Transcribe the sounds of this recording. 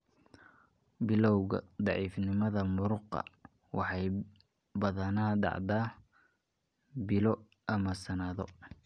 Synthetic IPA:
bɪlɔwɣɐ̰d̪ɑʕiːfnɪmɐðɐmʊɾʊqɐ̰ | wɑħɑj | bɐðɐnaːd̪ɑ̰ʕd̪aː | bɪlɔ | ʔɐmɐsɐnaðɔ̰

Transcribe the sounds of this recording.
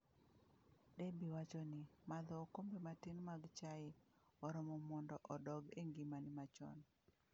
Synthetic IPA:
debiwat͡ʃɔnɪmad̪ɔːkombematɪnmaɡt͡ʃaɪɔɾɔmɔmɔndɔʔɔdɔɡeŋɡimanɪmat͡ʃɔ̰n

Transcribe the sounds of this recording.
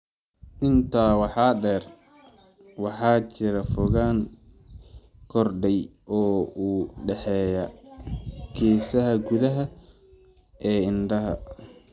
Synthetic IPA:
ʔɪnt̪ʰaːwɑħɑːɖɛːr | wɑħɑːt͡ʃɪɾɐfʊɣaːŋ | kʰɔrɖɛjʔɔːuːɖɛħɛːjɐ | kʰɛːsɐɦɐɡʊðɐɦɐ | ʔɛːɪnɖɐɦɐ̰

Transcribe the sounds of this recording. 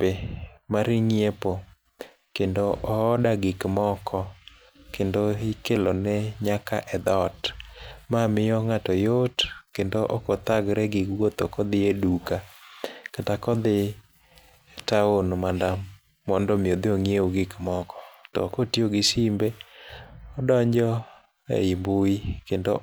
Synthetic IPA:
emaɾɪŋjepo | kendoʔɔɔdaɡɪkmɔkʰɔ | kendoikelonɛɲaka̰ʔɛd̪ɔtmamɪjɔŋatɔjotkendoʔɔkɔt̪aɡɾɛɡɪɡwot̪okɔd̪ɪedukakatakɔd̪ɪ | taonmanda | mɔndɔmiod̪eoŋjeoɡɪkmɔkɔ̥tɔ̰kotioɡɪsimbe | ɔdɔɲd͡ʒɔ | ḛimbuikendo

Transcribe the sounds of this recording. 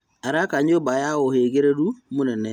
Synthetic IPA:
aɾakaɲobajawoheɡeɾeɾumunɛnɛ

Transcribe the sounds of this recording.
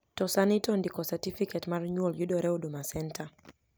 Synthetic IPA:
tɔsanitɔndikɔsatifikɛtmaɾɲualjuɗɔɾɛuɗumasɛntʰa

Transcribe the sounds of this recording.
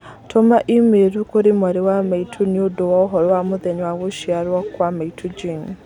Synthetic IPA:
tʰomaʔimeɾukoɾemaɾewamaitʰuniodowaɔɦɔɾɔwamoðɛɲwaɣoʃiaɾwakwamaitʰud͡ʒiŋ

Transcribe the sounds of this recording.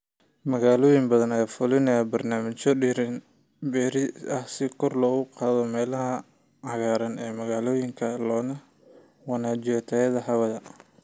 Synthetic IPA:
mɐɣaːlɔːjɪŋbɐðɐnɐjfʊlɪnɐjabɐrnaːmɪt͡ʃɔɖɪɾɪn | bɛːɾɪɐhsɪkʰɔrlɔːɣʊqɑːðɔmɛːlɐɦɐ | ʕɑɣaːɾɐnɛːmɐɣaːlɔːjɪŋkʰɐlɔːnɐ | wɑnaːd͡ʒɪɐt̪ʰɐjɐðɐɦɐwɐðɐ

